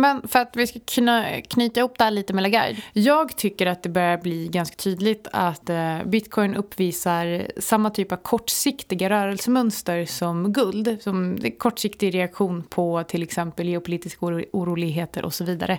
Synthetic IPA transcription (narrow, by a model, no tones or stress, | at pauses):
mɛnfœɾat̪vɪskakʰɵnːakʰnyːt̪ahʊp̚ːd̪ɛæːɭiːt̪əmɛlaɡa̰jd̪jɑːɡt̪ʰʏkːəɾat̪̚d̪ɛbœɾjaɾbliɡanskḁt̪ʰyːd̪lɪɡt̪ʰa̰t̪bɪt̪kʰɔjnʔɵpːviːsaɾsamːat̪ʰyːpavkʰɔʈːsɪkt̪ɪɡaɾœːɾɛlsəmœnst̪əɾsɔmɡɵld̪sɔm̰kʰɔʈːʂɪkt̪ɪɡɾɛakɧuːnpʰɔt̪ʰɪlɛksɛmpəlɡɛʊpʰʊliːt̪ɪskuːɾuːlɪɡɦeːt̪əɾʔɔ̰sɔviːd̪a̰ɾə